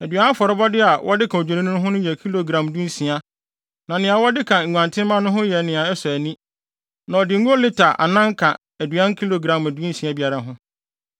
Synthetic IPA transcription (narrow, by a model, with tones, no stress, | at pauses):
æ˨dɥã˦fɔ˨ɾɔ˦bɔ˦dɪ˦a˨wʔɔ˦dɪ˦kʰã˨o˨d͡ʑᶣi˨nɪ̃˦nʊ̃˦ʊ̃˦ɦʊ̃˦nʊ̃˦jɛ˨kʰi˦lo˨ɡɾã˨mdu˦n̩˦sĩ˨a˦ | nã˨nɪ̃˨a˨wɔ˦dɪ˦kʰã˨ŋ̩˨ɡã˨ntʰɪ̃˦m˦mã˦nʊ̃˦ɦʊ̃˦jɛ˨nɪ̃˨a˨ɛ˦sɔ˨æ˨nĩ˦ | nã˨ɔ˨dɪ˨˦u˦o˦lɪ˦tʰa˨ʔa̰˨nã˦ŋ˦kʰã˨ | æ˨dɥã˦nkʰi˦lo˨ɡɾã˨mæ˨du˦sĩ˨a˦bi˨a˨ɾa˦ɦʊ̃˦